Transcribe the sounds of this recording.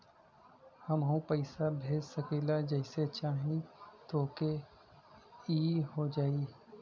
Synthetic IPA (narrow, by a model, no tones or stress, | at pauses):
hɐmɦũpəɪsabʱeːd͡ʒsɐkeːlad͡ʒɐɪset͡ʃaːɦĩt̪oːke | iːɦod͡ʒaːiː